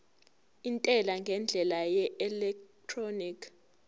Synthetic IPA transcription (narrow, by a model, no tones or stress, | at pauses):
intʼɛlaŋɡʱɛnd͡ɮʱɛlajɛɛlɛktʰronikʰ